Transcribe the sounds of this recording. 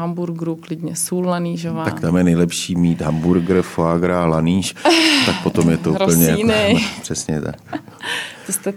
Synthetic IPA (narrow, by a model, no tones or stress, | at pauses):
ambuɾɡɾuklɪd̪ɲɛsuːllaniːʒovat̪akt̪amjɛnɛjlɛpʃiːmiːt̪ɦambuɾɡɾfoaɡɾalaniːʃt̪ak̚pot̪omjɛt̪oupl̩ɲɛjanpr̥ɛsɲɛt̪a̰k | t̪ost̪ɛ